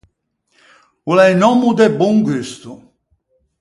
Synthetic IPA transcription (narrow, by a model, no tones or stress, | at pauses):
ulɛjnɔmud̪ɛbɔŋɡyst̪u